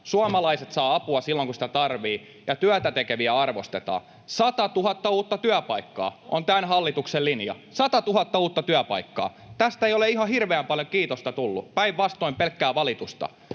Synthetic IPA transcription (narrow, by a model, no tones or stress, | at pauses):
suɑmɑlɑiset̪sɑːɑpuɑsilːoŋkusĭ̥t̪æt̪ɑrʋiː | jɑt̪yæt̪æt̪ekeʋiæɑrʋost̪et̪ɑ̰ː | sɑt̪ɑt̪uhɑt̪ːɑuːt̪ːɑt̪yæpɑikːɑ̰ːʔont̪ænhɑlːit̪uksellinjɑ̰sɑt̪ɑt̪uhɑt̪ːɑuːt̪ːɑt̪yæpɑikːɑ̰ː | t̪æst̪ejoleiɦɑhirʋeæmpɑljoŋkiːt̪ost̪ɑt̪ulːṵpæiʋʋɑst̪oimpelkːæːʋɑlit̪ust̪ɑ̰